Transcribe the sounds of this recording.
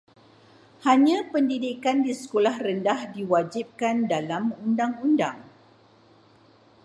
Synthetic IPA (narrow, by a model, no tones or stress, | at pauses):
haɲãpəndidikandisə̥kolahrəndahdiwad͡ʒip̚kandalamundaŋundaŋ